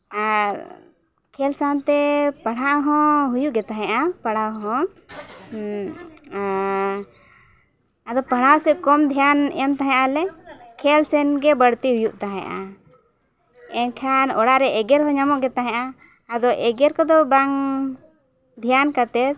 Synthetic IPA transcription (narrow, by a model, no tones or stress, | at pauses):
aɾ | kʰɛlsant̪ɛpaɽaʔɦɔ̃ɦujuʔɡɛt̪aɦɛ̃ʔapaɽ̤awɦɔ̃ | ad̪ɔpaɽ̤awsɛʔkɔmd̪ʱijanɛmt̪aɦɛ̃ʔalɛkʰɛlsɛnɡɛbəɽt̪iɦujuʔt̪aɦɛ̰̃ʔa̰ | ɛnkʰanɔɽaɾɛɛɡɛɾɦɔ̃ɲamɔʔɡɛt̪aɦɛ̃ʔaː | d̪ɔʔɛɡɛɾkɔd̪ɔbaŋ | d̪ʱijankat̪ɛt